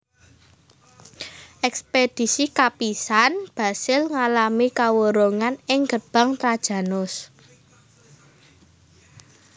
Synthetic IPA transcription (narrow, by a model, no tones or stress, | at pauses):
ʔɛksped̥i̤sikapisanb̥a̤sɪlŋalamikawəɾoŋanɪŋɡərb̥a̤ŋt̪ɾad̥ʒ̥ä̤nʊs